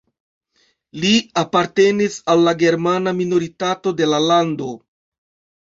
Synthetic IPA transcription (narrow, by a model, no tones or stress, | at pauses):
liapaɾte̞nisalːaɡe̞ɾmanamino̞ɾitato̞de̞lalando̞